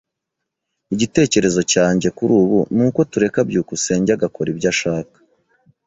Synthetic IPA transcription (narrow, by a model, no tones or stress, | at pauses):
iɟite̞ːce̞ɾe̞zo̞caːɲɟe̞kuɾuːβunuːko̞tuɾe̞kabɟuːkuse̞ːɲɟaɡako̞ɾibɟaʃaːkḁ